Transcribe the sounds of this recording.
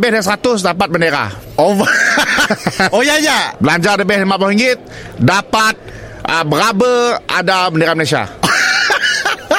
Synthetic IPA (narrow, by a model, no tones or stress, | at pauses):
bɛhdasəɾat̪ʊsdapat̪̚bəndeɾa̰ovə | ojajabəlaɲd͡ʒadəbɛhdamabəhiŋɡɪt̪̚ | dapat̪̚ | əbəɾabəa̰dabəndeɾaməlesia̰